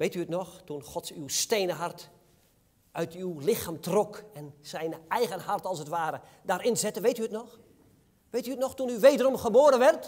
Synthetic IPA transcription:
ʋejtyətnɔxtunxɔtsywstejnəɦart | œɥtʰywlɪxaːmtrɔkɛnsɛjnɛjɣənɦartɑlˠsətʋaːɾə | daːɾɪnzɛtəʋejtyətnɔx | ʋejtyətnɔxtunyʋejdərɔmχəboːɾənʋɛrt

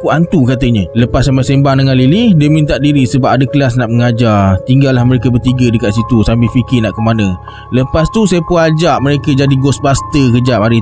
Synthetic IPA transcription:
kuant̪ukat̪əɲələpasːampasembaŋdəŋanlilidiəmĩnt̪aʔdiɾisəbapadəkəlas̬naʔməŋad͡ʒart̪iŋɡalːahməɾekəbərt̪iɡədəkaʔ̪sit̪usambɪlfikɪnaʔkəmanə | ləpast̪usajəpuad͡ʒaʔməɾekəd͡ʒadiɡɔsbast̪əkəd͡ʒapaɾi

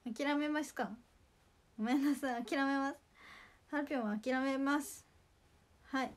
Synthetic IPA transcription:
akʲiɾame̞masɨ̥ka | ɡome̞nasãakʲiɾame̞masɨ̥hapʲõaːkʲiɾame̞masɨ̥ | hai

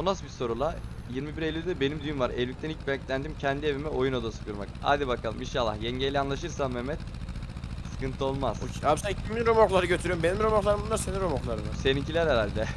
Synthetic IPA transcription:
unasbiso̞ɾulˠa | jiɾmibiɾelʲːyd̪ɛbe̞nimd̪yjymvaɾɛlʲvic̚t̪ʰænilc̚bɛɲclʲænd̪imcʰɛnd̪ievimɛʔo̞juno̞d̪asɯ̥kʰuɾmaka̰ːd̪ibakʰalˠɯminʃalˠːa̰hjɛɲɟejlʲɛanlˠaʃɯɾsanmmɛmɛt̪ | sɯ̥kɯnt̪ʰɯo̞lˠmaz̥aːbisæncʰiminɾomoklˠaɾɯɟøt̪ʰyɾyjmbenimɾomoklˠaɾɯmbunˠaɾseninɾomoklˠaɾɯnase̞nincʰilʲæɾheɾalʲd̪ɛ

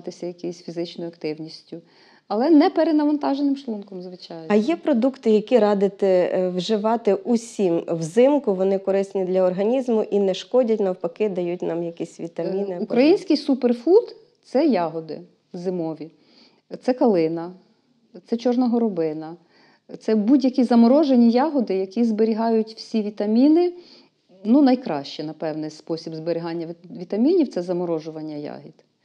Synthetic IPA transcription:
t̪ɪsʲɐjɐkɪjsʲfʲizɪt͡ʃnɔjʊɐkt̪ɪwnʲisʲtʲʊ | ɐlˠɛnɛpeɾenɐʋɐnt̪ɑʒenɪmʃlˠunkɔmzʋɪt͡ʃɑjɐjɛpɾɔd̪ukt̪ɪjɐkʲiɾɑd̪ɪt̪ɪwʒɪʋɑt̪ɪʔusʲimwzɪmkʊʋɔnɪkɔɾɪsnʲid̪lʲɐɔrɦɐnʲizmʊʔinɛʃkɔdʲɐtʲnɐwpɐkɪd̪ɐjut̚ʲnɑmjɐkʲisʲʋʲit̪ɐmʲinɪubɾɐjinʲsʲkɪjsuperfut̪ | t̪sɛjɑɦɔd̪ɪ̰ | zɪmɔʋʲi | t̪sɛkɐlˠɪnɐ | t̪sɛt͡ʃɔrnɐɦɔɾɔbɪnɐ | t̪sɛbudʲjɐkʲizɐmɔɾɔʒenʲijɑɦɔd̪ɪjɐkʲizbeɾʲiɦɑjʊtʲwsʲiʋʲit̪ɐmʲinɪ | nunɐjkɾɑ̰ʃt͡ʃɛnɐpɛwnɪjspɔsʲibzbeɾʲɪɦɑnʲːɐʋʲit̪ɐmʲinʲiw̪sɛzɐmɔɾɔʒʊʋɐnʲːɐjɑ̰ɦʲid̪̥

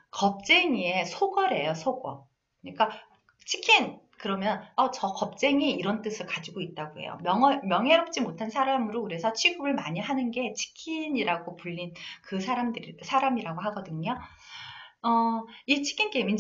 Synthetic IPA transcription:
kʌp̚t͡ɕ͈e̞ŋie̞sʰoɡʌɾe̞josʰoɡʌ̰ | kɯɲik͈a | t͡ɕʰi̥kʰinkɯɾʌmjʌnʌt͡ɕʌkʌp̚t͡ɕ͈e̞ŋiiɾʌnt͈ɯsʰɯɭkad͡ʑiɡoit̚t͈aɡoɦḛjo̰mjʌŋʌmjʌŋɦeɾop̚t͡ɕ͈imotʰansʰaɾamɯɾokɯɾe̞sʰʌt͡ɕʰiɡuɾɯɭmaɲiɦanɯnɡe̞t͡ɕʰi̥kʰiɲiɾaɡopuʎːinkɯsʰaɾamdɯɾsʰaɾamiɾaɡoɦaɡʌdɯɲo | ʌit͡ɕʰi̥kʰink͈emin

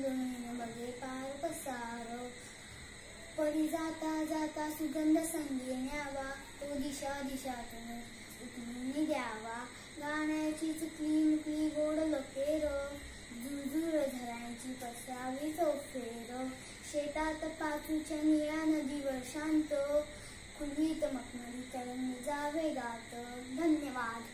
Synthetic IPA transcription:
d͡zoninəbəɡepaːɾpəsaːɾɔ | pəɾid͡zat̪ad͡zaːt̪asuɡənd̪əsəŋɡʱenjaːʋa | t̪od̪iɕad̪iɕat̪un | ut̪unid̪jaːʋa | ɡaːɳjat͡ɕiːt͡s̪it̪liːmukliːɡoːɽlokeɾɔ | d̪ud̪uɾɐd̪ʱɐɾãːt͡ɕiːpɐst̪aːʋit̪oːkt̪eːɾo | ʃeːt̪aːt̪ɐpaːt̪ʰut͡ʃanijaːnɐd̪iʋəɾʃaːnt̪o | kʰuɽiːt̪ɐmɐkmɐɾikɐɾɐnd͡zaːʋeːɡaːt̪əd̪ʱɐnjɐʋaːd̪

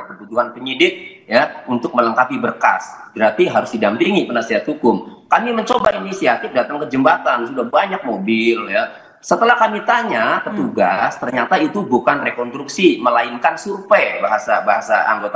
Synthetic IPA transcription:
kəbuduɦanpəɲidɪk̚ | jaunt̪ʊk̚mələŋkapibərka̰sɡɾat̪iɦaɾʊsdidampiŋipənasiɦat̪hukʊmkamiməɲt͡ʃobainisiat̪ɪfdat̪aŋkəd͡ʒəmbat̪ansudahbaɲak̚mobɪlja | sət̪əlahkamit̪aɲapət̪uɡast̪ərɲat̪ait̪ubukanrekɔnst̪ɾuksiməlaɪnkansurpebaɦasabaɦasa̰a̰ŋɡot̪a

